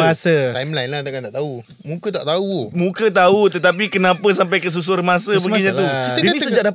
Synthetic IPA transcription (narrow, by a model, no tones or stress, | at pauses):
asət̪ajmlajnlaht̪akant̪aʔt̪au | mũkət̪aʔt̪aumũkət̪aut̪ət̪ap̬ikənãpəs̬amp̬ajkəs̬us̬oɾmasəbəɡiɲãt̪uid͡ʒd͡ʒadissəd͡ʒaʔ̚da